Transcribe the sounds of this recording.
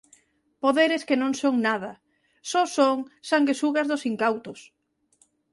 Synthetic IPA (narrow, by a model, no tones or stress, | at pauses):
poðeɾeskenõŋsoŋnað̞ɐ | sosoŋsaŋɡesuɣazðosiŋkawt̪os